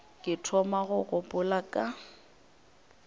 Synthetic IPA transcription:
kʼɪtʰɔmaɣʊɣʊpʼʊlakʼa

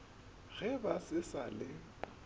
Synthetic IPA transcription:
ɣɛbasɪsa̰lɪ

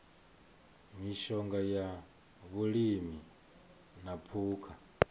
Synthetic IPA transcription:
miʃɔŋɡaja | βulimi | napʰuːkʰa

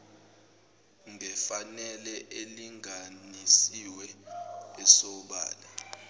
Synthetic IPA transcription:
ŋʱɛfanɛlɛʔeliŋanisiwɛ | ɛsɔɓa̰ːla

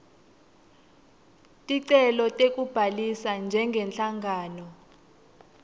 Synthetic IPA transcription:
tʼiǀɛlɔtʼek̬ʼub̥ʱalisand͡ʒʱɛŋɡʱɛnt͡ɬʼaŋaːnɔ

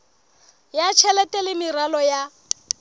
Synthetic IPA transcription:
jat͡ʃʰɛlɛtʼɛlɪmiralɔja

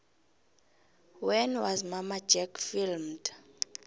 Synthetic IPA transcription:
wɛnwazmamad͡ʒɛkfilmd̥

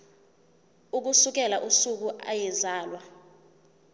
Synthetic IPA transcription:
uk̬usuk̬ʼɛlaʔusuk̬uʔa̰jɛzaːlwa

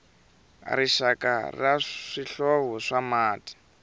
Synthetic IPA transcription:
ɾiʃaka̰raʂiɬɔβɔʂamaːti̥

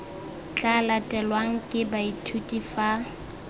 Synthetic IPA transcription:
t͡ɬʼalatʼɛlwaŋ̩kʼɪbaitʰutʼifa

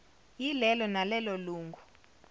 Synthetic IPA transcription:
jilɛlɔnalɛlɔluːŋɡʱu

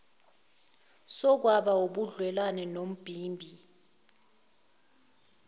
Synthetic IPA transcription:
sɔk̬waɓaoɓuɮwɛlanɛnom̩b̥ʱiːmbʱi

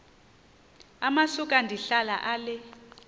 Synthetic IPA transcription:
amasuk̬ʼandʱiɬalaʔalɛ

